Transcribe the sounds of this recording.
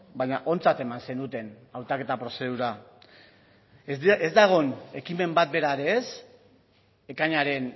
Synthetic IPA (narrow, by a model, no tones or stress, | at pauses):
baɲaʔo̞nt͡sat̪e̞manse̞nut̪e̞n | awt̪ake̞t̪apɾo̞se̞ðuɾa | ezd̪aɣ̞o̞ne̞kime̞mbat̪̚be̞ɾaɾe̞ːs | e̞kaɲaɾe̞n